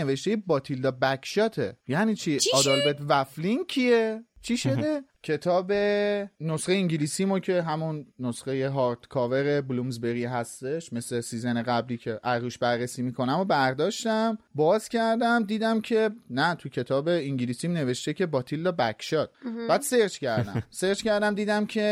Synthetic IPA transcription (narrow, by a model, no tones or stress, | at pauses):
eveʃt̪e̞jebɒːt̪ʰild̪ɒbækʰʃɒːt̪ʰḛjæniːt͡ʃʰiɒd̪ɒlbet̪væfliŋcʰiet͡ʃʰiʃo̞d̪e̞cʰe̞t̪ʰɒːbe̞nosχejiɲɟilisimocʰe̞ɦæmunːosχejeɦɒɾt̪kʰɒːve̞ɾeblumzbe̞ɾiɦæst̪e̞ʃme̞slesiːzeneɣæbliːcʰe̞ʔæɾːuʃbæɾːesiːmikʰo̞næmobæɾd̪ɒːʃt̪æmbɒːz̥cʲʰæɾd̪æmd̪iːd̪æmcʰe̞næt̪ʰucʰe̞t̪ʰɒːbe̞iŋɟilisimne̞ve̞ʃt̪ecʰe̞bɒːt̪ʰilːɒbækʰʃɒd̪̥̚bæːd̪̥seɾd͡ʒcʰæɾd̪æ̰mseɾt͡ʃkcʰæɾd̪æmd̪iːd̪æmcʰe̞